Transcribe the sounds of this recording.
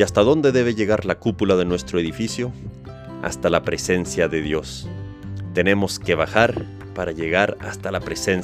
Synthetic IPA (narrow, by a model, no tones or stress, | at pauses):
ast̪aðo̞nd̪e̞ðe̞β̞e̞ʝe̞ɣaɾlakupulaðe̞nwe̞st̪ɾo̞e̞ðifisjo̞ | a̰st̪alapɾese̞nsjaðe̞ðjo̞s | t̪e̞ne̞mo̞ske̞βaxaɾ | paɾaʝe̞ɣaɾa̰st̪alapɾe̞sen